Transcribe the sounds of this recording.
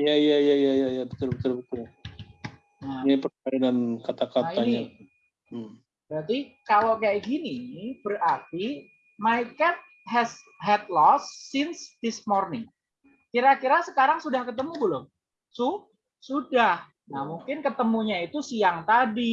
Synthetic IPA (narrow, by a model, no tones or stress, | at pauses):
jaijajajajajabət̪ʊrbət̪ʊrbət̪ʊr | nanipərainankat̪akaaaɲa | bəɾat̪ikalokajaʔɡinibərart̪i | maikɛt̪̚ | ɦɛs | ɦɛt̪̚lɔsːɪnsd̪̥ɪsmɔrnɪŋ | kiɾakiɾasəkaɾaŋsudahkət̪əmubəlʊm | sʊ | sudah | nahmuŋkɪnkət̪əmuɲait̪usiaŋt̪adi